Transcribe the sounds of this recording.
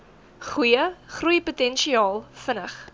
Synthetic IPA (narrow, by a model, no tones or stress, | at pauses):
χujəχrujəputɛnʃiɑːlˠfənəχ